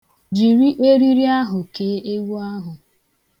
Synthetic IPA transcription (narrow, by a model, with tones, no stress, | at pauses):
d͡ʒi˨ɾi˦ʔe˦ɾi˦ɾi˦a˦ɦʊ˨ke˨˦ʔe˦wu˦a˦ɦʊ˨